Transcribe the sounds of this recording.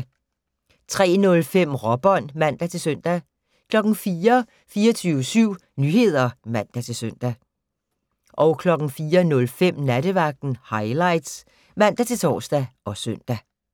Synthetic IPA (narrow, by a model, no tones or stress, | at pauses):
t͡sʰʁɛ̰ːnɔ̽lfem̰ʁɒb̥ɒ̽n̰mæn̰d̥æt͡sʰe̝lsøn̰d̥æ | kʰlɒ̽ɡ̥ŋ̩fiːɐ | fiːɐt͡sʰyːʊəsyʊ̰nyːhe̝ð̞̰ˠɐmæn̰d̥æt͡sʰe̝lsøn̰d̥æ | ʔɒ̽ʊkʰlɒ̽ɡ̥n̩fiːɐnɔ̽lfem̰næɾəʋɑ̈ɡ̥̚d̥n̩hɑ̈ɪlɑ̈ɪ̰d̥s | mæn̰d̥æt͡sʰe̝lt͡sʰɒ̰ːsd̥æʔɒ̽søn̰d̥æ